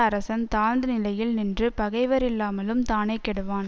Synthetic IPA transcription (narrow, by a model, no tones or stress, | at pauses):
ɐɾɐsɐmt̪aːnd̪ɯnɪlɐjɪlnɪndrɯpɐɣɐɪʋɐɾɪlːaːmɐlɯmt̪aːnɐɪkːɛɽɯʋaːn